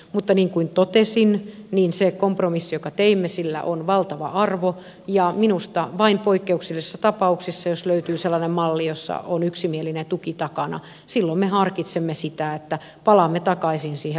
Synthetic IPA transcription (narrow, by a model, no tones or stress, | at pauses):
mut̪ːɑniːŋkuint̪ot̪esinniːnsekompromisːijokɑt̪eimːesilːæ̰ʔonʋɑlt̪ɑʋɑ̰ʔɑrʋo | jɑminust̪ɑʋɑimpoikːeuksilːessːɑt̪ɑpɑuksisːɑjosløyt̪yːselːɑnemmɑlːijosːɑ̰ʔonyksimielinet̪ukit̪ɑkɑnɑ̰ | silːommehɑrkit̪semːesit̪æet̪ːæ | pɑlɑmːet̪ɑkɑisinsiːhe